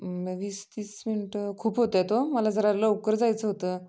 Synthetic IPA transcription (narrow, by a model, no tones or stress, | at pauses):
mʋiːst̪iːsminəʈkʰuːpɦot̪jt̪oməlad͡zəɾaɾləwkəɾd͡zajt͡səɦot̪əː